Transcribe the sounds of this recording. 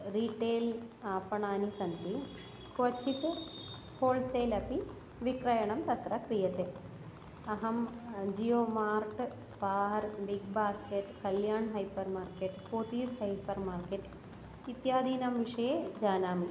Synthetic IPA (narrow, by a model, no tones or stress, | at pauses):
ɾiʈeːlaːpɐɳaːnisɐnt̪i | kʰʋɐt͡ʃʰit̪e | koːlɖseːlɐpi | ʋikɾɐjɐɳɐmt̪ɐt̪ɾɐkɾijɐt̪e | ɐɦɐmd͡ʒijoːmaːɾʈspaːɾbiɡbaːskeʈkɐljaːɳɦɐjpɐɾmaːɾkeːʈpoːt̪iːshɐjpɐɾmaːɾkeːʈ | it̪jaːd̪ʱiːnɐmʋiʂɐjed͡ʒaːnaːmi